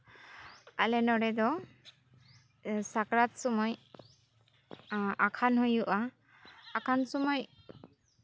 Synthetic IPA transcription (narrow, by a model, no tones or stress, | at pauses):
alɛnɔɽɛd̪ɔ | sakɾat̪̚sɔmɔj | akʰanhujuʔaː | kʰansɔmɔj